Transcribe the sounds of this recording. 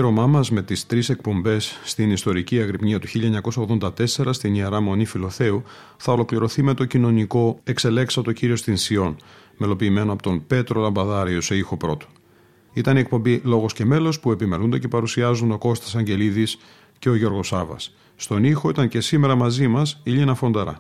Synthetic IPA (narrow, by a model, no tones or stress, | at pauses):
ɾomɐmɐzme̞t̪ist̪ɾise̞k̚po̞mbe̞sːt̪inist̪o̞ɾiciɐɣɾipɲiɐt̪uçiʎɐeɲɐko̞sɐoɣðo̞nd̪ɐt̪e̞se̞ɾɐst̪inieɾɐmo̞nifilo̞θe̞u | θɐo̞lo̞kliɾo̞θime̞t̪o̞cino̞niko̞e̞kse̞le̞ksɐt̪o̞ciɾio̞st̪insio̞n | me̞lo̞piːme̞noɐpo̞t̪o̞npe̞t̪ɾo̞lɐmbɐðɐɾiose̞ixo̞pɾo̞t̪o̥ | it̪ɐniek̚po̞mbilo̞ɣo̞sce̞me̞lo̞spue̞pimeɾund̪e̞ce̞pɐɾusiɐzund̪t̪oko̞st̪i̥sɐɲɟe̞liðis | ce̞o̞ʝo̞ɾɣo̞sɐvɐ̰sː | t̪o̞nixo̞it̪ɐɲce̞sime̞ɾɐmɐzimɐsiʎinɐfo̞nd̪ɐɾɐ̰